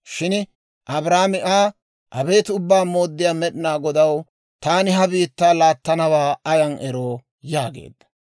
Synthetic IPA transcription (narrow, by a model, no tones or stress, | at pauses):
ʃɪn | ʔɐbɾaːmɪʔaː | ʔɐbe̞ːt̪ʊbːaːmo̞ːd̪ːɪjaːmɛɗɪnaːɡɔd̪ɐw | t̪aːnɪɦɐbiːt̪ːaːlaːt̪ːɐnɐwaːɐjɐnʔɛɾoː | jaːɡḛːd̪ːɐ̥